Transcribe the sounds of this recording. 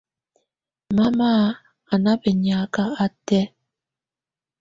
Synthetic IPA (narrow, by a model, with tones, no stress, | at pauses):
ma˦ma˦ | a˨na˦bɛ˨ɲa˨˦ka˦a˦tɛ˦